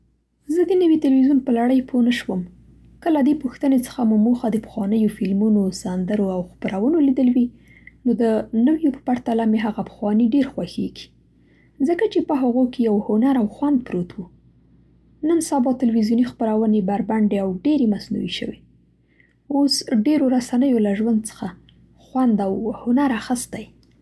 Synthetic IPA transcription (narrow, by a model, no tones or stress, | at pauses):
zəd̪ənəwit̪ɪlwizunpəlaɽəjpʰonəʃwəm | kəlad̪epʊxt̪ənet͡sə̥xamumoxad̪əpə̥xwɑnəjofɪlmunosand̪əɾoawxpəɾawənolid̪əlwi | nod̪ənəwjopə̥paɾt̪alameɦaɣapə̥xwɑneɖeɾxwaxeɡ̥i̥ | zəkat͡ʃepəɦaɣokejawhʊnaɾawxwand̪̚pɾot̪wu | nənsabɑt̪ɪlwizjunixpəɾawənebaɾbaɳɖeawɖeɾemasna̰wiʃə̰we | osɖeɾoɾasanəjolaʒwand̪̚t͡sə̥xa | xwand̪awhʊnaɾaxəst̪aj